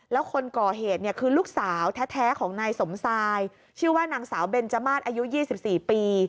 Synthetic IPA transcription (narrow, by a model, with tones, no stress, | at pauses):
lɛː˦˥wkʰo˧nkɔː˨˩ɦeː˨˩t̪̚ni˥˩ɐkʰɯː˧luː˥˩k̚saː˩˦wt̪ʰɛː˦˥t̪ʰɛː˦˥kʰɔː˩˦ŋnaː˧jso˩˦msaː˧j | t͡ɕʰɯː˥˩waː˥˩naː˧ŋsaː˩˦wbe˧nt͡ɕa˧maː˥˩t̪̚ʔaː˧ju˦˥jiː˥˩si˨˩p̚siː˨˩piː˧